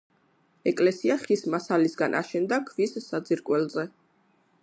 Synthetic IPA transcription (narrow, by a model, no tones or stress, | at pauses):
ɛkʼlɛsiaχismasalisɡanʔa̰ʃɛnd̪akʰvisːad̪ziɾkʼwɛlzɛ